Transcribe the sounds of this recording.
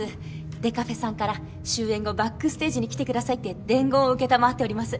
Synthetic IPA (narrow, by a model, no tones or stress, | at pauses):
ɨ | d̪e̞kaɸe̞sãŋkaɾa | ɕɨːẽ̞ŋɡo̞bakːɯ̟sɨ̥t̪e̞ːʑiɲ̟ikʲi̥t̪e̞kɯd̪asait̪ːe̞d̪ẽ̞ŋɡo̞ːɯ̟ke̞t̪amaat̪ːe̞o̞ɾʲimasɨ